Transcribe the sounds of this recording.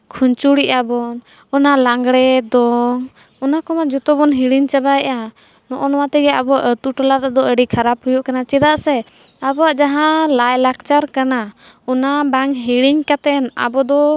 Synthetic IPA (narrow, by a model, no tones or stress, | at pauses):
kʰuɲt͡ʃuɽiʔabɔn | ɔnalaŋɡɽɛd̪ɔŋ | ɔnakɔmad͡ʒɔt̪ɔbɔnɦiɽiɲt͡ʃabajʔa | nɔʔɔnɔwat̪ɛɡɛabɔaʔət̪uʈɔlaɾad̪ɔəɖikʰaɾaphujɔʔkanat͡ʃɛd̪aʔsɛ | abɔaʔd͡ʒaɦãlajlak̚t͡ʃaɾkanaɔnabaŋɦiɽiɲkat̪ɛna̰bɔd̪ɔ